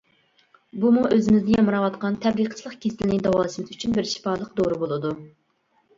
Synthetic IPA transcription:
bumuʔøzɪmɪzd̪ɪjɑmɨɾɑwɑt̪qɑnt̪ʰɛbliqʰə̥t͡ʃʰilˠəqkʲʰesɪlɪnɪd̪ɑwɑlˠɨʃmɨt̪yt͡ʃʰynbɪɾʃi̥pɑːlˠəqd̪oɾubolˠɨd̪u

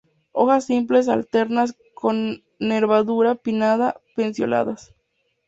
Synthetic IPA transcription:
o̞̰xasːimp̬le̞s̬a̰lt̪e̞ɾnas̬ | kʰo̞nː | eɾβaðuɾapinaðape̞nsjo̞̰na̰ðas

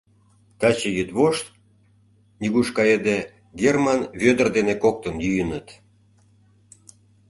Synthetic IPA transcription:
t̪ɑt͡ɕejyt̪βoʃt̪ | nʲiɣuʃkɑjed̪e | ɡʲermɑnβʲød̪ərd̪enekok̚t̪ənjyjənət̪

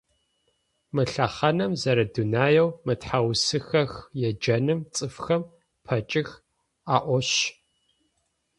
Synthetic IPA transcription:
mɨɬɐχɐnɐmzɐɾɐdunaːjɐwmɨtħawsɨxɐxjɛd͡ʒɐnɨmt͡sʼɨfxɐm | pʰɐt͡ʃʼɪx | aːʔʷɔɕ

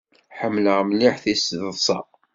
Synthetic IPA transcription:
ħəmːləʁmniħθisððˤsˤɑ

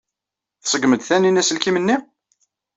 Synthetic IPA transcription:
θsˤəɡməd̪θæninæsəlkimənːi

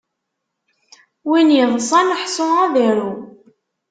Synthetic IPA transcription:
winjəðˤsˤɑnəħsˤoæðæɾu

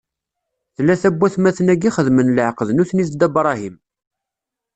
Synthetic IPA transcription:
θlːæθæbːæθmæθənæɡiχəðmənləʕqəðnuθnisd̪æbɾˤɑɦim

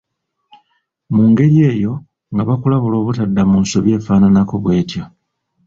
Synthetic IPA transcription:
muːŋɡe̞ɾje̞ːjo̞ | ŋɡaβakulaβulo̞ːβutadːamunso̞βje̞ːfaːnanako̞βwe̞ːtjo

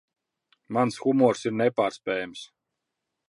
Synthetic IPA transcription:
mansxumɔɔɾsiɾnɛpaːɾspʲɛːjams

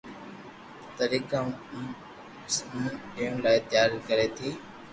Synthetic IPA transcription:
t̪əɾiːkã | smũːɗiːəɳ̃laːɪt̪ɪjaːɾikəɾeːt̪ʰiː

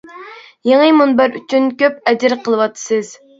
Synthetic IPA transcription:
jeŋɨmunbæɾyt͡ʃʰynkʲøp̚ɛd͡ʒɪɾqʰəlˠɨwɑt̪ʰːɨ̥sɨz̥

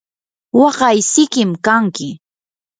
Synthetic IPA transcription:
wɑɢɑjsɪkɪmkaŋkɪ

